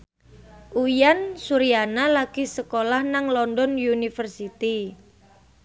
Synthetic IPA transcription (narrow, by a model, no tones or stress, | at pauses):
ʔujansuɾianalaɡ̥isəkolahnaŋlɔndɔnjunifərsit̪i